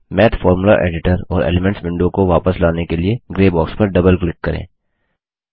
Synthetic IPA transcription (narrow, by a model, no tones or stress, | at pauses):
mɛːt̪fɔːɾmula̰ʔḛːɖɪʈəɾɔ̰ːɾḛːlemɛ̃ɳʈsʋɪ̃ɳɖõkoʋaːpəslaːnekelieɡɾeːbɔːkspɐɾɖɐbəlklɪkːɐɾḛ̃ː